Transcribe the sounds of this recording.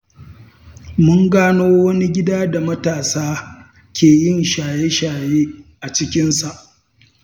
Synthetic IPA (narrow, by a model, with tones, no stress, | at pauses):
mʊ˦ŋɡaː˦noː˦wɐ˦ni˦ɡʲɪ˦daː˦da˨mɐ˦taː˨saː˦ | kʲeː˨jɪ˦˨nʃaː˨je˦ʃaː˨jeː˦ʔa˨t͡ʃɪ˦kʲɪ˦nsa˨ʔ